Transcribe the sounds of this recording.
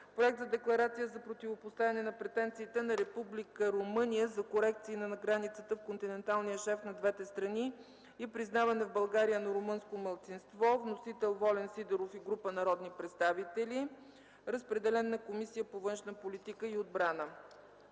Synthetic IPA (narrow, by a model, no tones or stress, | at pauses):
pɾoɛk̚t̪zəd̪ɛklˠɐɾat̪sijəzɐpɾot̪ivopost̪avʲɐnɛnɐpɾɛt̪ɛnt̪siːt̪ɛnɐɾɛpublikəɾomɤnijəzɐkoɾɛk̚t̪siːnɐnɐɡɾanit̪sət̪əfkont̪inɛnt̪alˠnijəʃɛfnɐd̪vɛt̪ɛst̪ɾɐniː | pɾiznavɐnɛvbɐlˠɡaɾijənɐɾomɤnskoməlˠt̪sinst̪vɔvnosit̪ɛlˠvɔlɛnsid̪ɛɾofiɡɾupənɐɾɔd̪nipɾɛt̪st̪avit̪ɛli | ɾəspɾɛd̪ɛlɛnːɐkomisijəpovɤnʃnəpolit̪ikəiod̪bɾanə